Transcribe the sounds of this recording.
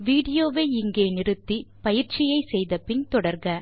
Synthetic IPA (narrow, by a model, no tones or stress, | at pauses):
ʋiːɽɪjoːʋeːɪŋɡeːnɪrɯt̪ːipɐjɪɾt͡ʃɪjɐɪsɛjðɐpɪnt̪ɔɽɐɾɡɐ